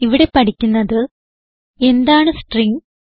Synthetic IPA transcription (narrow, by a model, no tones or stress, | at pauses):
iʋiɽe̞pɐʈʰikʲːunːɐðɨ | e̞nd̪aːɳɨsʈriŋɡ